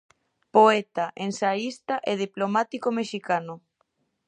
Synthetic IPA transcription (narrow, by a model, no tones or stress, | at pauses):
poɛt̪aʔensaist̪aʔeð̞iplomat̪ikomeʃikano